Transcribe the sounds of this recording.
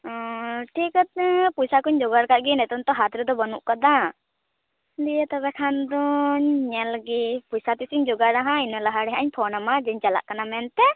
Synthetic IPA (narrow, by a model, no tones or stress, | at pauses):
ʈʰikt̪̚pujsakuɲd͡ʒɔɡaɾkaʔɡinɛt̪ɔnt̪ɔɦat̪ɾud̪ɔbɔnuʔkad̪a | d̪ijɛt̪ɔbɛkʰand̪ɔɲɲɛlɡipujsat̪isiɲd͡ʒɔɡaɾaɦãinɔlaɦaɽɛɦaɲpʰɔnamad͡ʒɛɲt͡ʃala̰ʔkanamɛnt̪ɛ